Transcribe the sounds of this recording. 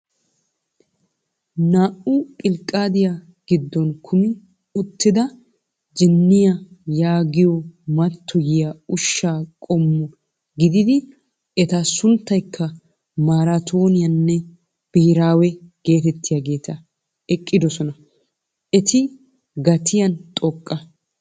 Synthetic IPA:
naːʔʊkʼɪlkʼːaːd̪ɪja | ɡ̥ɪd̪ːɔnkʰʊmɪ | ʊt̪ːɪd̪ɐ | d͡ʒɪnːɪjɐjaːɡɪjɔmɐt̪ʰːɔjɪjaʊʃːaːkʼɔmːʊ | ɡɪd̪ɪd̪ɪ | ɛt̪asʊnt̪ːɐjkʰːɐ | maːɾat̪ʰo̞ːnɪjɐnːɛ | b̥iːɾaːwɛɡ̥e̞ːt̪ɛt̪ːɪjaɡe̞ːt̪ɐ | ɛkʼːɪd̪ɔsɔnɐ | ɛt̪ɪ | ɡɐt̪ʰɪjɐnt̪ʼɔkʼːɐ

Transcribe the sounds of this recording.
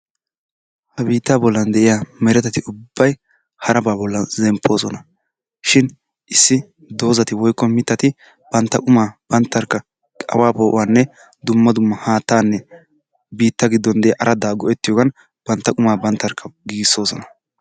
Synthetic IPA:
hɐbiːt̪ːaːbɔlːɐnd̪ɛʔɪjaːmɛɾɛt̪ɛt̪ɪʊbːɐj | hɐɾɐbaːbɔlːɐnzɛmpʰːo̞ːzɔnɐ | ʃɪn | ʔɪsːɪ | d̪o̞ːzɐt̪ɪwɔjkːɔmɪt̪ːɐt̪ɪ | b̥ɐnt̪ːɐkʼʊmaːb̥ɐnt̪ːɐɾkːɐ | kʼɐ̰waːpoːʔʊ̰wanːɛ | d̪ʊmːɐd̪ʊmːɐhaːt̪ːaːnːɛ | biːt̪ːɐɡɪd̪ːɔnd̪ɛjaʔɐɾɐd̪aːɡɔʔɛt̪ːɪjoːɡɐn | b̥ɐnt̪ːɐkʼʊmaːbɐnt̪ːɐɾkʰːɐɡɪɡɪso̞ːsɔnɐ̥

